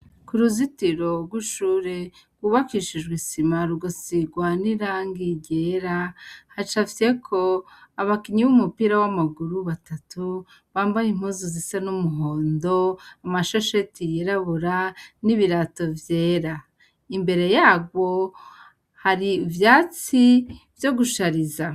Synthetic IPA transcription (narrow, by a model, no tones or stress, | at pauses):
kuɾuzitiɾo̞ɡwiʃuːɾe̞ | ɡ̥wuːβakiʃid͡ʒɡwisimaɾuɡusiɡwaniɾaŋɡiɟe̞ɾahat͡ʃavje̞kʰo̞aβakiɲiβumupiɾawamaɡuɾuβatatu | βaːmbajim̥huːzuzisanumuɦo̞ːndoamaʃoʃetijeɾaβuɾaniβiɾato̞vjeːɾa | imbe̞ɾe̞jaːɡwo̞ | haɾivjaːt͡sivjo̞ɡuʃaɾiza